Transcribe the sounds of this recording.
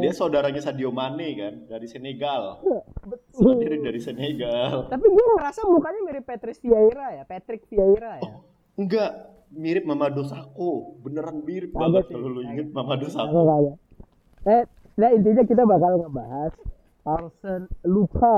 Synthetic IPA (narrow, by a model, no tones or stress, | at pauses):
diasaudaɾaɲasadiomanekandaɾisəneɡalabət̪miɾɪp̚daɾisəneɡalt̪apiɡuaɾasamukaɲamiɾɪpːat̪ɾɪsfiaiɾajapat̪ɾɪk̚fiaiɾaj | ŋɡaʔ | miɾɪp̚mamadosakobənəɾanmiɾɪp̚aɡasəluluiŋt̪̚mamadosakakaja | saa | daint̪̬iɲakit̪̬abakalŋəbaɦas | alsənluka